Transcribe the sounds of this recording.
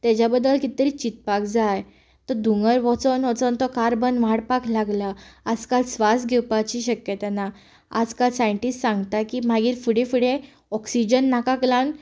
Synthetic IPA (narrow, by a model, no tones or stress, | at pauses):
t̪ɛd͡ʑjabəd̪ːəlkit̪əɾiːt͡ɕit̪̚pakd͡zaj | t̪ɔd̪ʱuŋɡəɾʋɔt͡sɔnʋɔt͡sɔnt̪ɔkaɾbənʋaɽpaklaɡlaad͡zkalsʋasɡʱɛwpat͡ɕiɕəkjət̪ana | a̰d͡zkalsãiɳʈissãŋɡt̪akiːm̤aɡiːɾfuɽẽfuɽẽ | ɔksid͡ʑənːakaklãn